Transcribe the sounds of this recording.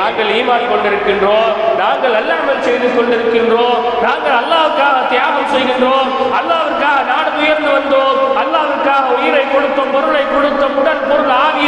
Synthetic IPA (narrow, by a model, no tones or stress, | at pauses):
aːŋɡɐɭiːmaːlkɔɳɖɪɾɯkːɪndroːnaːŋɡɐɭɛlːaːɳmɐlsɛjðɯkːɔɳɖɪɾɯkːɪndroː | naːŋɡɐɭɐlːaːʋɯkːaːɣɐt̪ɪjaːɣɐmsɛjɣɪndroːmɐlːaːʋɐkːaːɣɐnaːɽɯmʊjɐɾnd̪ɯʋɐnd̪oːɐlːaːʋɯkːaːɣɐʊjɪɾɐɪkːɔɽɯt̪ːɐmpɔɾɯɭɐɪkːɔɽɯt̪ːɐmʊɽɐnpɔɾɯɭaːɣɪ